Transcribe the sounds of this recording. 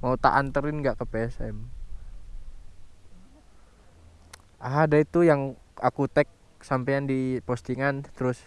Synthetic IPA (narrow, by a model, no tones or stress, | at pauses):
maut̪a̰ʔant̪əɾɪnŋɡaʔkəpeɛsɛ̰m | adait̪ujaŋakut̪ɛk̚ | sampajandipost̪iŋant̪əɾʊs